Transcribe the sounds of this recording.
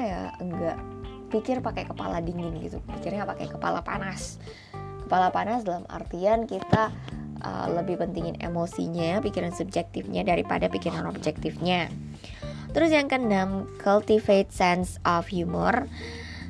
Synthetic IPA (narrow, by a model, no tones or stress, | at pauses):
jaəŋɡa̰ʔ | pikɪrpakajkəpa̰ladiŋɪnɡḭt̪upikɪrɲapaka̰jkəpa̰la̰pa̰nas | kə̥palapanasdalama̰rt̪iankit̪aʔə̰ləbɪhpənt̪iŋɪnḛmosḭɲapikiɾansub̚d͡ʒɛk̚t̪ɪfɲa̰daɾipa̰dapikiɾano̰b̚d͡ʒɛk̚t̪ɪfɲa | t̪əɾʊsjaŋkənamkʰalt̪ifet̪̚sɛnsʔɔfhjumɔ̰r